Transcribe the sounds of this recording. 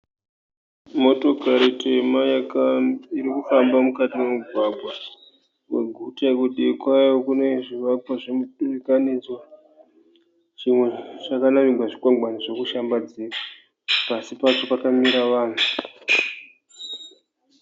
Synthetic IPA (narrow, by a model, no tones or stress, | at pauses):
mo̞to̞kaɾite̞majakaiɾikufambamukatime̞muɡʱwabʱwa | we̞̰ɡʱutakuɗikwajo̞kune̞ʐiʋapwaʐimuɗuʋikanid͡zwa | ʐimwe̞ʐ̥akanariɡwaʐikwaŋɡwaniʐo̞kuʃambad͡zira | pasipat͡ʃo̞pakamiɾaʋaːn̤u